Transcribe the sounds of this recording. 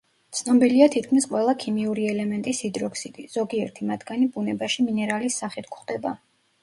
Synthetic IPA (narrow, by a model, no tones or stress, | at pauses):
t̪sʰnɔbiliat̪ʰit̪̚ʰkʰmisqʼwɛlˠakʰimiuɾiɛlɛmɛnt̪ʼisid̪ɾɔksit̪ʼiz̥ɔɡiɛɾt̪ʰimad̪ɡanibunɛbaʃiminɛɾalisːaχit̪̚ʰkχd̪ɛba